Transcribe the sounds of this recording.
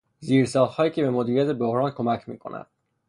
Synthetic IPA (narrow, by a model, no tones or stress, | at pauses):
ziːɾsɒːlhɒːjiːcʰe̞be̞mod̪iːɾijæt̪ʰeboɣɾɒːnkʰo̞mæcʰmḭːkʰo̞̰næ̰d̪̥